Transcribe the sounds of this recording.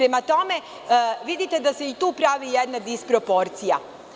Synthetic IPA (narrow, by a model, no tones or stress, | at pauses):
ɾemat̪o̞me̞ | ʋid̪it̪ed̪aseit̪uːpɾaːʋijed̪nad̪ispɾo̞po̞ɾt̪sija